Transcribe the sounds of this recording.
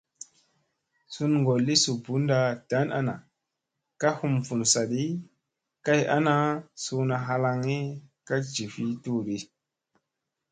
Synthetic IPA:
su˦nŋɡo˨lːi˦su˨bu˨˦nda˨d̥a˨˦na̰˦na˨ | ka˦hu˧˨mfu˨nsa˨ɗi˦ | ka˦ja̰˦na˦su˧na˨ɦa˧la˧ŋi˦ka˦d͡ʒi˨fi˦tu˦ɾi˦

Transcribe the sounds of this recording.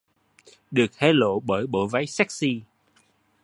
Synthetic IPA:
ɗɨ˨˩ək̚hʰe˧lo̰˧˨ɓəː˧˩jɓo˧˩˨va˨˦jsɛ˦˥k̚si˧

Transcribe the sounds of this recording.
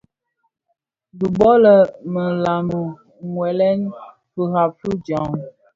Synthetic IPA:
du˨bɔ˦lə˨mə˨la˨mə˨ | ŋwɛ˨lɛ˦n | pə˨ha˨fu˦d͡ʒɔ˨ŋ

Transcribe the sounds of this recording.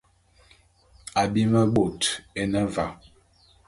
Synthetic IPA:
a˨bi˦ma˦ɡ͡bo˨te˦nə˦va˨

